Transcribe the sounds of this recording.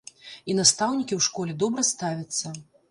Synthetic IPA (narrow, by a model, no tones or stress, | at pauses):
inast̪awnʲikʲiwʂkɔlʲɛd̪ɔbɾɐst̪avʲɐt̪sːɐ